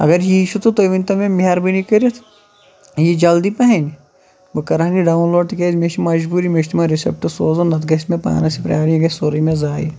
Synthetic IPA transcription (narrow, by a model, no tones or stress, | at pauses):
ɐ̰ɡɐɾjiiʃut̪ut̪oʋint̪ɐmẽmiɐɾbinikɐɾet̪ʰ | jid͡ʒɐld̪ipɐɦɐn | bɨkɐɾaːniɖaːunloːɖt̪ikezmeʃimɐd͡ʒbuːɾimeʃt̪imɐɾisḛp̚ʈusoːzonɐt̪ɡɐsmẽpa̰ːnɐsipɾɐjaːɾiɡɐsoɾɐmẽzaːḭ